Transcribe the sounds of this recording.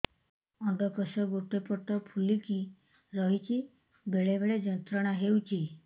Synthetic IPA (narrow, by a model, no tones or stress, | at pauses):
ɔ̃d̪ɔkɔsɔɡoʈepɔʈɔpʰuliki | ɾɔɦit͡ʃi | beɭebeɭed͡ʒənt̪ɾəɽ̃aɦeut͡ʃʰi